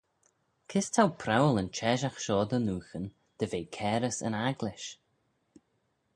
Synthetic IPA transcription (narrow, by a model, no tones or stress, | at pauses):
kʰɪstʰawpʰɾawlənt͡ʃʰɛʒaxʃɔːd̪ənuːxən | d̪̥əveːkʰɛːɾəsə̰naɡlɪʃ